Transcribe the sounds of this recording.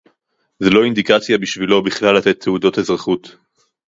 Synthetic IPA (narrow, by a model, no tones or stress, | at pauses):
zelo̞ind̪ikat͡sjabiʃvilo̞biχlalːat̪et̪ʰːeudo̞thezʁaχut̪